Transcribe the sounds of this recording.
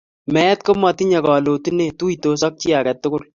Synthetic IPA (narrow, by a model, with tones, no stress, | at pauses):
mɛ˦t̚ko˦mɔ˨ti˦ɲɛ˨kɔ˨lo˨tu˦ne˦˨tu˦ito˦sɔ˦k̚t͡ʃi˦a˨kɛ˨tːʊ˦kʊ˦l